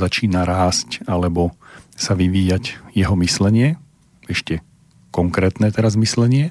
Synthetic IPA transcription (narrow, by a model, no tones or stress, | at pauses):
zat͡ʃiːnaɾaːscalɛbɔsaʋiʋiːjaɟjɛɦɔmislɛɲɪɛ | ɛʃcɛ | kɔŋkɾɛːt̪nɛːt̪ɛɾazmislɛɲɪɛ